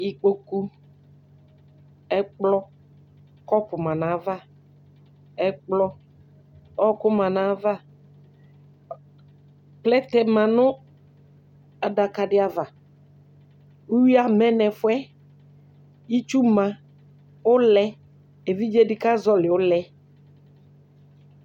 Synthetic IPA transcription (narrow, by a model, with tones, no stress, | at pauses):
i˨k͡po˦ku˦ | ɛ˦k͡plɔ˦ | kɔ˦pʊ˨mã˨nã˨˦va˦ | ɛ˦k͡plɔ˦ | ɔ˦kʊ˦mã˨nã˨˦va˦ | plɛ˦t̪ɛ˨mã˨nʊ̃˦ | a˨da˨ka˨dɪ˨a˨va˨ | u˦wi˦a˨mɛ̃˦nɛ˨fʊ˦ɛ˦ | i˦t͡ʃu˦mã˨ | ʊ˦lɛ˦ | e˨vi˦d͡ʒe˦dɪ˦ka˦zɔ˦lɪ˨ʊ˦lɛ˦